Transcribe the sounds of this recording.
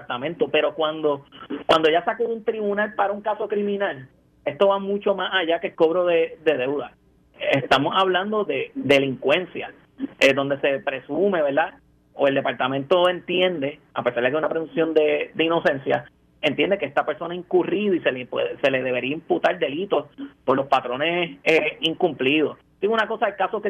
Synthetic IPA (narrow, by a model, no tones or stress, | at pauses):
aɾt̪amẽnt̪ope̞ɾo̞kwãnd̪o̞kwand̪oʝasakoðunt̪ɾiβunalpaɾauŋkaso̞kɾimĩnal | e̞st̪o̞βamũt͡ʃo̞masaʝakelko̞βɾo̞ðed̪e̞ðe̞wða | est̪amosaβland̪o̞ðe̞d̪e̞liŋkwẽ̞nsja | ed̪o̞nd̪e̞se̞pɾe̞sume̞βe̞ɾd̪a | oeld̪epaɾt̪amẽnt̪o̞ent̪jend̪e̞ | apesaɾd̪ekeunapɾesũnsjo̞nd̪ed̪eino̞se̞nsja̰ | e̞nt̪jend̪ekeest̪apeɾso̞naiŋkuriðoiselepwḛðese̞le̞ðe̞βe̞ɾiaimput̪aɾd̪elit̪o̞spo̞ɾlospat̪ɾo̞neseiŋkumpliðo̞s | d̪iɣunako̞saelkasoke